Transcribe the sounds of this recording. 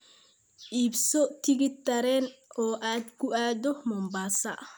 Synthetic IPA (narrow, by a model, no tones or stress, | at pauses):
ʔiːbsɔt̪ʰɪɣɪt̪ɐɾɛːnɔːʔaːd̪kʰʊʔaːd̪ɔmɔːmbaːsɐ̰